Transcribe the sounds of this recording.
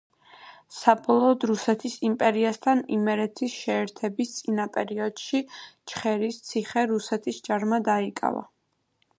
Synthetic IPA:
sabɔlˠɔːd̪ɾusɛt̪ʰisimpʼɛɾiast̪ʰanimɛɾɛt̪ʰisʃɛːɾt̪ʰɛbist̪sʼinapʼɛɾiɔd̪̥ʃit͡ʃχɛɾist̪sʰiχɛɾusɛt̪ʰisd͡ʒaɾmad̪aikʼa̰va̰

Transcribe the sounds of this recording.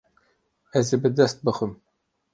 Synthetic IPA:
ɛzebɨd̪ɛst̪̚bɨxɨm

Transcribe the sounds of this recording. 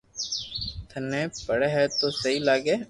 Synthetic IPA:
t̪ʰənẽːpəɽeːɦɛːt̪oːsəɦiːlaːɡeː

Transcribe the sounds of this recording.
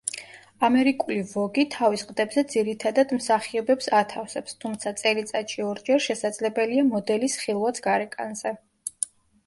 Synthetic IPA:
amɛɾikʼulivɔɡit̪ʰavisqʼd̪ɛbzɛd̪ziɾit̪ʰad̪ad̪msaχiɔbɛpsat̪ʰafsɛpst̪ʰumt̪sʰat̪sʼɛlit̪sʼat̪ʃiɔɾd͡ʒɛɾʃɛsad̪zlɛbɛliamɔd̪ɛlisχilˠvat̪sʰɡaɾɛkʼa̰nzɛ

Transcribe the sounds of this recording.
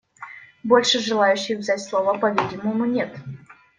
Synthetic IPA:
bo̞lʲʂɨʐɨlˠajʉɕːɪxvzʲætʲslˠovəpɐvʲidʲɪməmʊnʲe̞t̪

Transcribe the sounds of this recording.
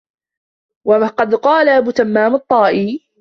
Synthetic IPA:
waqɑd̪qɑːlaʔabuːt̪amːaːmɑt̪ˤːɑːʔiː

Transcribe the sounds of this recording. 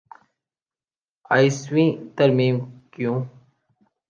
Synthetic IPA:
aːiswĩt̪ɐɾmiːmkjũː

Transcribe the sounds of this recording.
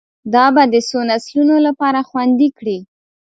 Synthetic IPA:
d̪ɑbad̪əsonaslunolapɑɾaxwand̪ikɽi

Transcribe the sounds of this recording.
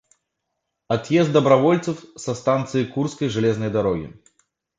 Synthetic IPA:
at̪jɛsd̪d̪ɐbɾavɔlʲt̪sɨfsɐst̪ant̪sɨjikurt̪skɐjʐɨlʲɛznɐjd̪aɾɔɡʲḭ

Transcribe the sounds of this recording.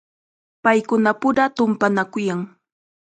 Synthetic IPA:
pajkʊnapʊɾat̪ʊmpanakʊjaŋ

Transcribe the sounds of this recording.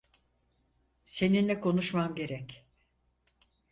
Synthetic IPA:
se̞ninlʲɛkʰo̞nuʃmamɟe̞ɾɛc

